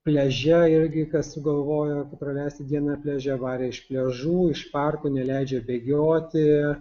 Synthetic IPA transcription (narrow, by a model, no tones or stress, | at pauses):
pʲlʲɛʒʲɛɪɾʲɡʲɪkɐssʊɡɐlˠʋoːjokɐtpɾɐlʲæːsʲt̪ʲɪd̪ʲiɛnɐpʲlʲɛʒʲɛʋɑːɾʲeːɪʃpʲlʲɛʒuːɪʃpɐrkoːnʲɛlʲɛɪd͡ʒʲɛbʲeːɡʲoːt̪ʲɪ